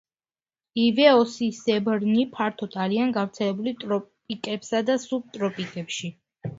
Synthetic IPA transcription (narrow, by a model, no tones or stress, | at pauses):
ivɛɔsisɛbɾnipʰaɾt̪ʰɔt̪ʰʼaɾianɡavɾt̪sʰɛlɛbulit̪ʼɾɔpʼikʼɛpsad̪asub̚t̪ʼɾɔpʼikʼɛpʃi